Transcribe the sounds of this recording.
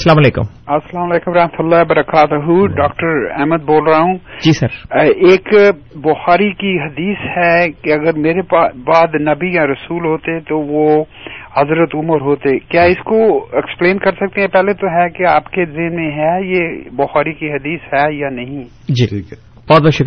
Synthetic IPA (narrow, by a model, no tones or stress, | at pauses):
sɐlaːmɐleːkʊ̰m | ɐsɐlaːmɐleːkʊmɾɐɦmət̪ʊlːaːbɐɾəkaːt̪ɦuɖaːkʈəɾɛ̰ːməd̪̚boːlɾaɦũːd͡ʒiːsɐɾeːkbʊxaːɾikiɦɐd̪iːshɛkeɐɡəɾmeːɾebaːd̪nɐbijaɾɐsuːlɦoːt̪et̪oʋo | hɐzɾət̪ʊməɾɦoːt̪ekjaːɪskoɪksplẽːnkɐɾsɐk̚t̪eɦɛ̃pɛːlet̪oɦɛkeaːpkezɪɦnmẽɦɛjebʊxaːɾikiɦɐd̪iːsɦɛjanɐɦĩ | d͡ʒi | b̥ɔːt̪bɔːt̪ʃʊk